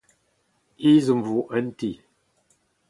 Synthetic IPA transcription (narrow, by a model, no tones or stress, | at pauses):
izəmvuʔənti